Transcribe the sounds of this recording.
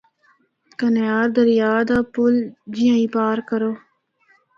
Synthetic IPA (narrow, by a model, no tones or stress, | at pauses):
kənjaːɾd̪əɾjaːd̪aːpʊld͡ʒɪjãːĩːpaːɾkəɾoː